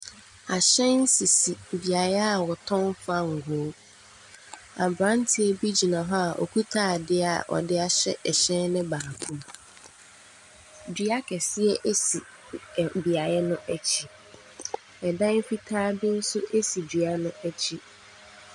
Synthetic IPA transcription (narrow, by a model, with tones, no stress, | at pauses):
a˨ɕɛ̃˦n̩˦si˨si˨bi˨a˨jɛ˦a˨wɔ˨tʰɔ̃˦nfa˦ŋ̩˨ɡʊ˨˦ | a˨bɾã˦n˦tʰɪ˦e˦bi˦d͡ʑi˨nã˨ɦɔ˦a˨ʔɔ̰˨kʰu˦tʰaː˦˨dɪ˦a̰˨ʔɔ̰˨dɪ˦a˦ɕɛ̰˦ʔɛ˨ɕɛ̃˦nnɪ̃˦baː˨kʰũ˦m | dɥa˦kʰɛ˨sɪ˦ɛ˦ʔe˦si˨ | bi˨a˨jɛ˦nʊ̃˦ʔæ˦t͡ɕʰi˦ | ɛ˨dã˦n˦fi˦tʰaː˦bi˦n̩˦sʊ˦ʔe˦si˨di˨a˦nʊ̃˦æ˦t͡ɕʰi˦